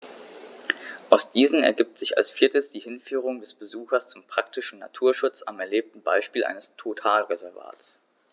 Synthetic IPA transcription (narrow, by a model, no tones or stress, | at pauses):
ʔaʊsd̥iːzn̩ɛ̰ɐɡiːp̚tz̥ɪça̰lsfiːɐtəsd̥iːhɪnfyːʁ̞ʊŋdɛsb̥əzuːxɐst͡sʊmpʁ̥ak̚tɪʃn̩na̰tʰuːɐʃʊt͡sa̰mɛɐleːp̚tn̩ba̰ɪʃpiːlʔa̰ɪnəstʰotʰaːlʁezɛɐva̰ːtt͡s